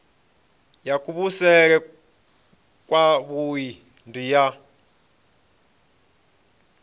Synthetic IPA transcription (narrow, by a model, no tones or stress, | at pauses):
jakʼuβusɛɺ̬ɛ | kʼwaβuji | ndija